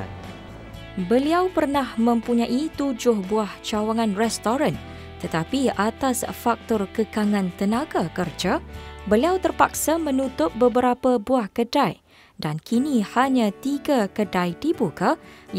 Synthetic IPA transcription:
bəliawpərnahmə̃mpuɲãʔit̪ud͡ʒʊhbuaht͡ʃawaŋãnrɛst̪oɾan | t̪ət̪apiat̪asfak̚t̪ɔrkəkaŋãnt̪ənãɡakərd͡ʒabəliawt̪ərpak̚samə̃nut̪ʊp̚bəbəɾapabuahkədaj | dankinĩhaɲãt̪iɡakədajd̪ibuka

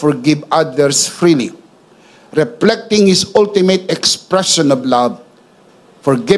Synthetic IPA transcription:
fɔɹɡɪvadəɾsfɹili | ɹiflɛk̚tɪ̃ŋhisʊltimetɛkspɹɛʃə̃nɔvlav | fɔɹɡɪ

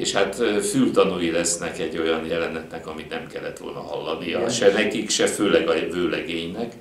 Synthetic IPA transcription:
ḛːʃhat̪ːfylt̪ɒnujilɛsnɛkɛɟːo̞jɒnjɛlɛnɛt̪nɛkɒmit̪nɛmkɛlːɛt̪ʋo̞̰lnɒɦɒ̰lːɒnijɒʃɛnɛkikʃɛføːlɛɡɒvøːlɛɡeːɲnɛk

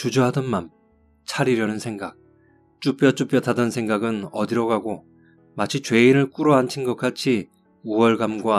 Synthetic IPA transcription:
t͡ɕud͡ʑoɦadʌnman | t͡ɕʰaɾiɾjʌnɯnsʰe̞ŋɡak̚ | t͡ɕ͈up͈jʌt͡ɕ͈up͈jʌtʰadʌnsʰe̞ŋɡaɡɯnʌdiɾʌɡaɡo | mat͡ɕʰit͡ɕwe̞iɾɯɭk͈uɾʌɦant͡ɕʰinɡʌk͈at͡ɕʰi | uʌɭɡamɡwa

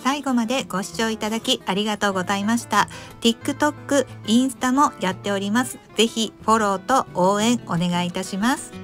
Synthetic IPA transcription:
saiɡo̞mad̪e̞ɡ̥o̞ɕi̥t͡ɕo̞ːit̪ad̪akʲiaɾʲiɡat̪o̞ːɡo̞zaimaɕi̥t̪at̪ʲikːɯ̟t̪o̞kːɯ̟ĩɰ̃sɨ̥t̪amo̞jat̪ːe̞o̞ɾʲimasɨ̥z̥e̞çiɸo̞ɾo̞ːt̪o̞oːẽ̞ɰ̃o̞ne̞ɡait̪aɕimasɨ̥

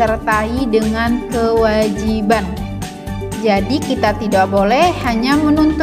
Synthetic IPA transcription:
ərt̪aidəŋankəwad͡ʒiban | d͡ʒadikit̪at̪idakbolɛhhaɲamənunt̪

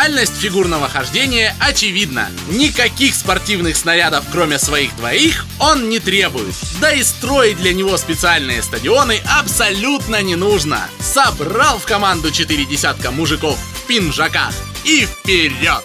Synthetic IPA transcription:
alʲnəsʲtʲfʲɪɡurnəvəxɐʐdʲenʲɪjəʔɐt͡ɕɪvʲid̪nə̰ | nʲɪkɐkʲixspɐrtʲivnɨxsnɐɾʲad̪əfkɾo̞mʲɪəsvɐixd̪vɐixo̞nnʲɪt̪ɾʲe̞bʊjɪ̰t̪d̪əɪst̪ɾo̞jɪt̚ʲd̪lʲɐnʲɪvo̞spʲɪt̪sɨalʲnɨjəst̪ədʲɪo̞nɨʔɐpsɐlʲut̪nənʲɪnuʐnə̰sɐbralˠfkɐmand̪ʊt͡ɕɪt̪ɨɾʲɪdʲɪsʲat̪̚kəmʊʐɨko̞ffʲpʲɪnʐɐka̰x | ifpʲɪɾʲot̪

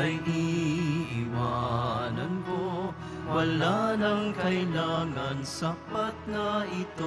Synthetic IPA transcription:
ɐjd̪iʔɪwanɐnko | wɐlanɐŋkɐjlaːŋɐnsapɐt̪̚nɐʔɪt̪o

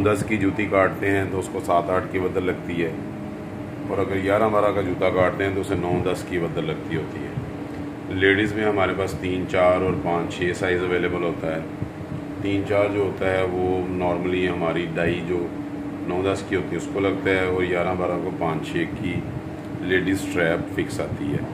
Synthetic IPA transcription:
d̪əskid͡ʒuːt̪ikaːʈ̚t̪eɦɛ̃t̪oʊskosaːt̪aːʈʰkibəd̪əɾlɐɡ̚t̪iɦɛː | ɔːɾəɡəɾjaːɾãbaːɾãkad͡ʒuːt̪akaːʈ̚t̪ẽɦɛ̃t̪oʊsenɔːd̪ɐskibɐd̪əɾlɐɡ̚t̪iɦoːt̪ḭɦɛ̰ː | leːɽizmẽɦəmaːɾepaːst̪iːnt͡ʃaːɾɔːɾpãːt͡ʃt͡ʃʰeːsaːɪzəʋeːleːbəlɦoːt̪aɦɛː | t̪iːnt͡ʃaːɾd͡ʒoːɦoːt̪aɦɛːʋoːnɔːɾməlĩɦəmaːɾiɖaːid͡ʒoː | nɔ̃ːd̪əskiɦoːt̪iɦɛʊskoləɡt̪aɦɛɔːɾjaːɾãbaːɾãkopãːt͡ʃt͡ʃʰeːki | leːɖiːzʈɾɛːpfɪksaːt̪iɦɛ̰ː

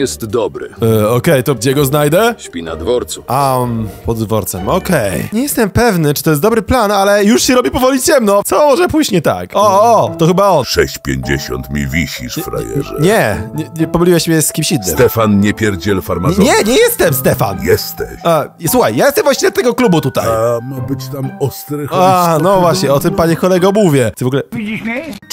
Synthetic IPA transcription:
jɛst̪d̪ɔbɾɘ̰ɔkɛjt̪ɔɡ̚d͡ʑɛɡɔznajd̪ɛɕpʲina̰d̪vɔɾt̪suʔampɔd̪ːvɔɾt̪sɛmɔkɛjɲɛjɛst̪ɛmpɛvnɘt͡ʂɨ̥t̪ɔjɛsd̪ɔbɾɘplanalɛjuʂɕɛɾɔbʲipɔvɔlʲit͡ɕɛmnɔ̃sɔmɔʐɛpuʑɲɛt̪a̰kɔɔt̪ɔxɘbaɔnʂɛɕt͡ɕpʲjḛɲd͡ʑḛɕɔ̰nt̪mʲḭvʲiɕḭʂfɾa̰jɛ̰ʐɛ̰ɲɛɲɛɲɛpɔmlʲiwɛɕmʲɛjsskʲimɕinsːɨ̰mt̪ɛfanɲɛpʲjɛɾd͡ʑɛlfaɾmaɲɛɲɛjɛst̪ɛmst̪ɛfa̰njɛst̪ɛɕaswuxajjajɛst̪ɛmvwaɕɲiɛd̪at̪ɛɡɔklubut̪ut̪a̰jmabɘt͡ɕt̪amɔst̪ɾɛxanɔvwaɕɲɛɔt̪ɘmpaɲɛkɔlɛɡamuvʲjɛtɨvɔɡulɛii

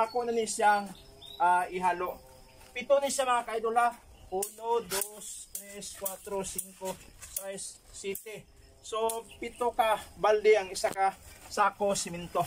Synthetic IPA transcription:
akonɐnisjaŋ | ʔaɪɦaːloʔ | pɪt̪onisɐmɐŋakajd̪ola | ʔunod̪ost̪ɾɛskwat̪ɾosiŋkosajsː | ɛt̪ɛ | sopɪt̪okabald̪ɪɐŋɪsakasakosɪmɪnt̪o

